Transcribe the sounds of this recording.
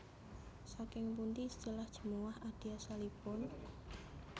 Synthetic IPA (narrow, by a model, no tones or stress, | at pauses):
sakɪŋpunt̪ist̪əlahd̥ʒ̥ə̤muwahad̥iasalipʊn